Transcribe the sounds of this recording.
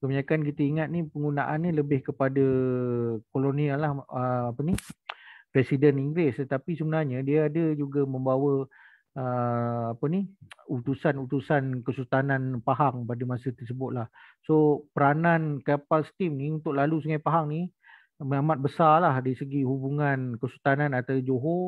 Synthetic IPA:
kəməɲakank̬it̪əiŋat̪̚nipəŋɡunaʔanːiləbɪhkəpadə | kolonialahəapəni | pɾesidəniŋɡɾɪst̪ət̪apisəbənarɲadiaadəd͡ʒuɡaməmbawə | əapəniut̪usanut̪usankəsut̪ananpaɦaŋpadamãsət̪ərsəbʊt̪̚lah | sopəɾanankapalst̪imniunt̪ʊk̚lalusəŋajpaɦaŋni | məamat̪̚bəsalahdaɾisəɡihubuŋankəsut̪anãnat̪awd͡ʒoɦo

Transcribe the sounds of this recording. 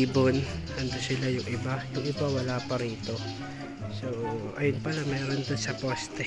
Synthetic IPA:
bonhɐnd̪osɪlajʊŋʔɪbajʊŋʔɪbawɐlaːpɐɾiːt̪o̞ | soːʔɐ̰jʊnpɐlamɛːɾond̪onsɐpoːst̪ɛ

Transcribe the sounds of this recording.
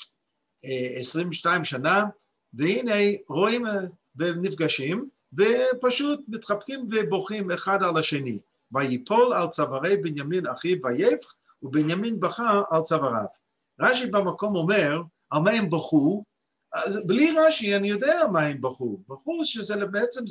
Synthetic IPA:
esʁimʃtaimʃana | vehinejʁoim | venifɡaʃim | vepaʃutmitχapkimveboχimeχadalaʃeni | bajipʰolalt͡savaʁejbinjaminaχibajejf | ubinjaminbaχaalt͡savaʁa̰v̥ | ʁaʃibamakomomɛʁ | almaɛmbaχu | azbliʁaʃianijodeaamaɛmbaχubaχuʃɛzɛbeɛt͡sɛm

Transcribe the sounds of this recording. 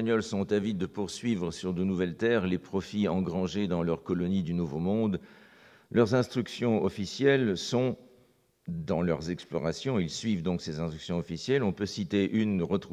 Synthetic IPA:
aɲɔlsɔ̃t̪avid̪əpuʁsɥivʁəsyʁd̪ənuvɛlt̪ɛʁlepχɔfiɑ̃ɡʁɑ̃ʒed̪ɑ̃lœʁkɔlɔnid̪ynuvomɔ̃d̪ | lœʁzɛ̃st̪χyksjɔ̃ɔfisjɛlsɔ̃ | d̪ɑ̃lœ̰ʁzɛksplɔ̰ʁasjɔ̃ilsɥivd̪ɔ̃ksezɛ̃st̪χyksjɔ̃ɔfisjɛlɔ̃pøsit̪eʔynʁət̪χu

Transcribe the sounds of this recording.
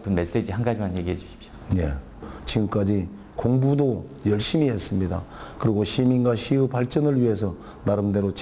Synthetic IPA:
pɯnme̞s͈ed͡ʑiɦanɡad͡ʑimanjeɡiɦed͡ʑuɕʰi̥p̚ɕo̥je̞̰ | t͡ɕiɡɯmk͈ad͡ʑi | koŋbudo | jʌɭɕ͈imiɦes͈ɯmɲida̰kɯɾiɡoɕʰiminɡwaɕʰiɯpaɭt͡ɕ͈ʌnɯɭɥiɦe̞sʰʌ | naɾɯmde̞ɾot͡ɕ

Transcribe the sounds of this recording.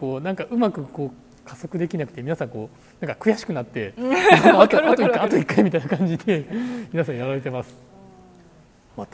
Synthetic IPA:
ko̞ːnãŋkaʔɯ̟makɯ̟ko̞ː | kʰaso̞kɯ̟d̪e̞kʲinakɯ̟̥e̞mʲinasãŋko̞ː | nãŋkakɯ̟jaɕi̥kɯ̟nat̪ːe̞sonoat̪oat̪oikːaat̪oikːaimit̪ainakãɲ̟d͡ʑid̪e̞mʲinasãɰ̃jaɾaɾe̞t̪e̞masɨ̥ | mat̪

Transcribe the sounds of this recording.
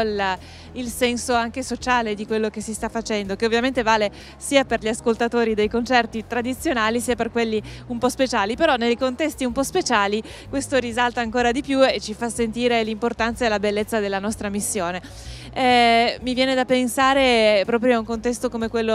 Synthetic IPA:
l | ilsɛnsoaŋkesot͡ʃaːled̪ikwelːokesist̪afːat͡ʃɛnd̪okeovːjament̪evaːle | siːaperʎiaskolt̪at̪oːɾid̪ejkont͡ʃɛrt̪it̪ɾad̪it̪sːjonaːlisiːaperkwelːiumpɔspet͡ʃaːlipeɾɔnːejkont̪ɛst̪iumpɔspet͡ʃaːli | kwest̪oɾizalt̪aːŋkoːɾad̪ipjuet͡ʃifasːent̪iːɾelimport̪ant̪saelabelːet̪sːad̪elːanɔst̪ɾamisːjoːne | ɛmivjɛːned̪apensaːɾepɾɔːpɾjoauŋkont̪ɛst̪okomekwelːo

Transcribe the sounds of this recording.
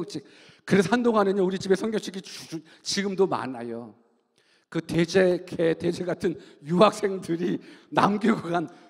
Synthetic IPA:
t͡ɕ͈ʰik̚ | kɯɾes̬ʰʌhandoŋɦaneɲʌuɾit͡ɕibe̞sʰʌŋɡjʌŋt͡ɕʰiɡʰit͡ɕu | t͡ɕiɡɯmdoma̰na̰jo | kɯte̞d͡ʑe̞ɡeted͡ʑe̞ɡatʰɯnjuɦak̚s͈e̞ŋdɯɾina̰mɡoɡoɡan

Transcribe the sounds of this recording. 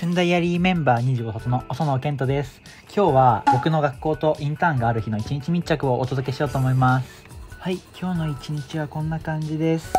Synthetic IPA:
ɕɯ̃nd̪aijaɾʲimẽ̞mbaːɲ̟iʑɨːɡoɦot̪onoʔoso̞nokẽ̞nt̪o̞d̪e̞sɨ̥ | kʲo̞ːβabo̞kɯ̟no̞ɡakːo̞ːt̪o̞ʔĩnt̪ãŋɡaːɾɯ̟çino̞it͡ɕiɲ̟it͡ɕimʲit͡ɕːakɯ̟o̞ʔːt̪o̞d̪o̞ke̞ɕijo̞ːt̪oːmo̞imasɨ̥haikʲʰo̞ːno̞it͡ɕiɲ̟it͡ɕiβakõ̞nːakãɲ̟d͡ʑid̪e̞sɨ̥

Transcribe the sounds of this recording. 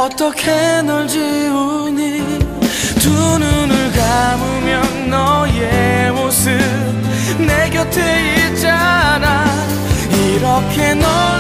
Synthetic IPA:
ʌt̪ʌkʰenʌɭd͡ʑiuɲi | tunɯnɯɭɡamumjʌnːʌjemosʰɯ | neɡjʌtʰeit͡ɕana | iɾʌkʰe̞nʌ

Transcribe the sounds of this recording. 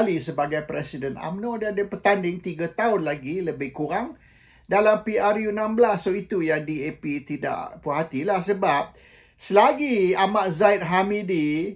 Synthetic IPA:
lisəbaɡajpɾɛsidəna̰mnõdadəpət̪andɪŋt̪iɡat̪aʊnlaɡiləbɪhkuɾaŋ | dalampiarjunãmbəlasːoit̪ujaŋdiepit̪ida̰ʔpuɦat̪ilahsəbap̚ | səlaɡiamaʔzait̪̚ɦamidi

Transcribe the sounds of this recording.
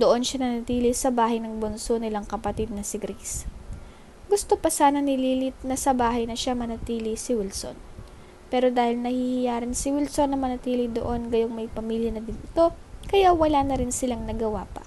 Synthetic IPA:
d̪oʔo̞nʃanɐnɐt̪iːlɪsɐbaːɦɐjnɐŋbonso̞nɪlaŋkɐpɐt̪ɪd̪̚nɐsɪɡɾis | ɡʊst̪o̞pɐsaːnɐnɪliːlɪt̪̚nɐsɐbaːɦɐjnɐʃamɐnɐt̪iːlɪsɪwɪlso̞̰n | pɛːɾo̞d̪aːhɪlnɐhihɪjaːɾɪnsɪwɪlso̞nːɐmɐnɐt̪iːlɪd̪o̰ʔo̞nɡɐjoŋmɐjpɐmiːljɐnɐd̪ɪnʔɪt̪o̞ | kɐjawɐlanɐɾɪnsɪlaŋnɐɡɐwaːpɐ̰

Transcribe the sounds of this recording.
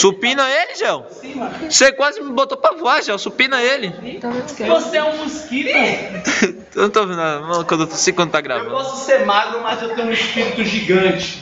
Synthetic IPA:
supĩnɐelɪʒɐ̃w̃sĩmɐ̃sekwazɪmɪbot̪opɾɐvoaʒɐ̃w̃supĩnɐelɪĩt̪ɐ̃kvoseɛũmuskiɾ | enũw̃t̪oavĩnnad̪ɐmɐ̃kwɐ̃d̪et̪sejkwɐ̃d̪ʊt̪aɡɾa̰vwɐ̃dpɔsʊ̥seɾmaɡɾʊmɐzewt̪ẽj̃ũispiɾt̪ʊʒiɡɐ̃t͡ʃɪ̥

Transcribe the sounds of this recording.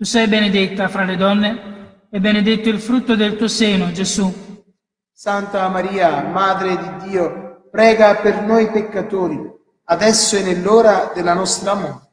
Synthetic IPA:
t̪usɛjbened̪et̪ːafɾaled̪ɔnːe | ɛbːened̪et̪ːoilfɾut̪ːod̪elt̪uːoseːnod͡ʒezu | sant̪amaɾiːamaːd̪ɾed̪id̪ːiːopɾɛːɡapernojpekːat̪oːɾi | ad̪ɛsːoɛnelːoːɾad̪elːanɔst̪ɾamɔːɾ

